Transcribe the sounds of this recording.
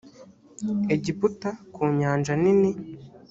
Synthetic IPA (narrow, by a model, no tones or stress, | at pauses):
eɟiputakʰuːɲaːnd͡ʒanini